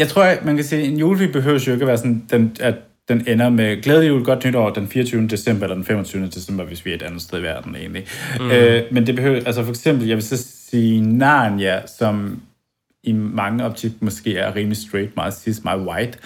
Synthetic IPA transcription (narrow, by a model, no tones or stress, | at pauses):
jɑ̈ɪt͡sʰʁo̝ɐ̰mænkʰæsiːenjuːlfib̥e̝ɦøʊ̰sjo̝e̝ɡ̥əæʋæːɐsɒ̽nd̥enæ | d̥enenɐmeɡ̥leːð̞ˠjuɡɒ̽d̥nyɾ̥ɒʊ̰ɐd̥enfiːɐt͡sʰyːʊnəd̥e̝sem̰b̥ɐelɐd̥enfem̰ɒt͡sʰyːʊnəd̥e̝sem̰b̥ɐʋe̝sʋiæɐe̝d̥ænð̩ˠsd̥eðˠiʋæɐd̥n̩e̝̰ːnliømend̥e̝b̥e̝høʊælsəfɒ̽eɡ̥sem̰b̥l̩jɑ̈ʋe̝lssiːnɑnjæsɒ̽m | imɑ̈ŋəɒ̽b̥̚t͡sʰiɡ̥mɒ̽sɡ̥e̝̰ːæɐʁiːmlisd̥ʁeːd̥̚mɑ̈ːð̩ˠsismɑ̈ːð̩ˠwɑ̈ɪd̥